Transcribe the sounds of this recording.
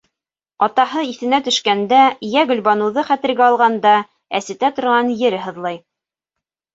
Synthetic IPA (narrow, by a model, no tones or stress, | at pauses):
ɑt̪ɑɦɤiθɘ̆næt̪ɵ̆ʃkænd̪æjæɡɵ̆lbɑnɤ̆wðɤχæt̪ɘ̆ɾɡæɑlˠʁɑnd̪ɑ | æ̰sɘ̆t̪æt̪ŏɾʁɑnjɘ̆ɾɘɦɤ̆ðlˠɑj